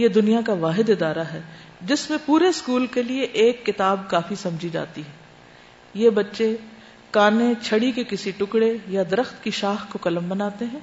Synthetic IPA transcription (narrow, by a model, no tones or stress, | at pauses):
jed̪ʊnijakaʋaːɦɪd̪ɪd̪aːɾaɦɛː | d͡ʒɪsmẽpuːɾeskuːlkelieʔeːkːɪt̪aːbkaːfisɐ̃md͡ʒʱid͡ʒa̰ːt̪iɦɛː | jeːbɐtːʃe | kaːnẽt͡ʃʰɐɽikekɪsiʈʊkɽejad̪ɐɾəxt̪kiʃaːxkokɐlə̃mbɐnaːt̪eɦɛ̃ː